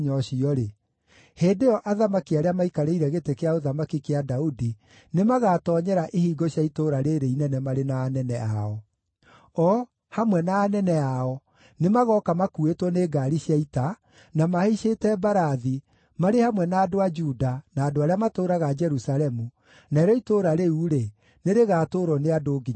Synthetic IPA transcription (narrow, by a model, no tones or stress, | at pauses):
ɲɔɕiɔɾe | heːdeɔʔaðamakiaɾeamaikaɾeiɾɛɣetekeaoðamakikeadaudi | nemaɣatɔːɲɛɾaʔehiːɡɔɕjaitoɾaɾeɾeinɛnɛmaɾenaːnɛnɛaɔ | ɔ | hamwɛnaːnɛnɛaɔ | nemaɣɔkamakuetwɔneːɡaɾiɕjaita | namaheʃetɛbaɾaði | maɾehamwɛnaːdoad͡ʒudanaːdoaɾeamatoɾaɣad͡ʒɛɾusalɛmu | naeɾɔitoːɾaɾeuɾe | neɾeɣaːtoːɾɔneadoːɡiɲ